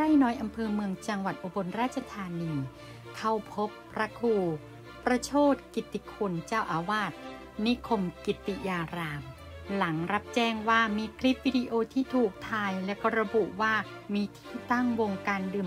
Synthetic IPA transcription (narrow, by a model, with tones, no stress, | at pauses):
aː˥˩jnɔː˦˥jʔa˧mpʰɤː˧mɯ˧əŋt͡ɕa˧ŋwa˨˩t̪̚ʔo˧bo˧nɾaː˥˩t̪̚t͡ɕʰa˧t̪ʰaː˧niː˧ | kʰa˧˩wpʰo˦˥pː | ɾa˧kʰuː˧˩ | ɾa˧t͡ɕʰoː˥˩t̪̚ki˨˩t̪ːi˨kʰu˧nt͡ɕaː˥˩wʔaː˧waː˥˩t̪̚ | ni˦˥kʰo˧mki˨˩t̪ːi˨˩jaː˧ɾaː˧m | la˩˦ŋɾa˦˥p̚t͡ɕɛː˥˩ŋwaː˥˩miː˧kʰli˦˥p̚wi˧di˧ʔoː˧t̪ʰiː˥˩t̪ʰuː˨˩k̚t̪ʰaː˧jlɛ˦˥wkɔː˥˩ɾa˧bu˨˩ʔwaː˥˩ | miː˧t̪ʰiː˥˩t̪a˥˩ŋwo˧ŋkaː˧ndɯː˧˩m